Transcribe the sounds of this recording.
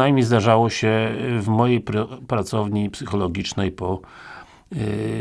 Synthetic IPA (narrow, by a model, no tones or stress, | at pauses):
ajmʲɲejzd̪aʐawɔɕɛvmɔjejpɾpɾat̪sɔvɲipsɘxɔlɔɡʲit͡ʂnɛjpɔ